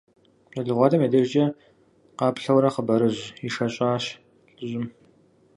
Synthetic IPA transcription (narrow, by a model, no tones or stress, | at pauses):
ɐɮɨʁʷɑːdɐmeːdɐʒd͡ʒɐ | qɑːpɬɐwɾɐqəbɐɾɨʑiʃɐɕʼɑːɕ | ɬʼɨʑɪm